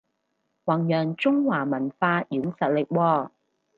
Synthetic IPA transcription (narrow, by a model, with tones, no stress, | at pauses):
wɐ˨˩ŋjœː˨˩ŋt͡sʊ˥ŋwaː˨˩mɐ˨˩nfaː˧jyː˨˥ŋsɐ˨t̚lɪ˨k̚wɔː˧